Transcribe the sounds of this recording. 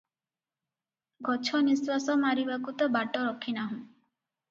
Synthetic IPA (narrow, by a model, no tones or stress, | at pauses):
ɡʱɔt͡ʃʰɔniswasɔmaɾibakut̪ɔbaʈɔɾɔkʰinaɦũ